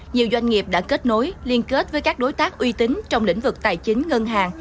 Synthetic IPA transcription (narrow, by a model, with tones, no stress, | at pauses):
ɲi˨˩əwzwa˧jŋ̟ŋi˨˩əp̚ɗa̰ː˧˥ke˦˥t̚no˨˦jli˧ənke˦˥t̚vəː˨˦jkaː˦˥k̚ɗo˨˦jt̪aː˦˥k̚ʔwi˧t̪ï˨˦ŋ̟t͡ɕɔ˧wŋ͡mlḭ̈˧˥ŋ̟vɨ˨˩k̚t̪aː˨˩jt͡ɕï˨˦ŋ̟ŋə˧nɦaː˨˩ŋ